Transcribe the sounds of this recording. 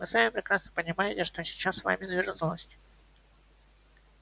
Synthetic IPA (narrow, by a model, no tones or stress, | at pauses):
mɨsamʲɪpɾʲɪkɾasnəpənʲɪmajɪtʲɪʂt̪osʲɪ̥t͡ɕːasːva̰mʲɪd̪vʲiʐɨt̪zəlˠəsʲtʲɪ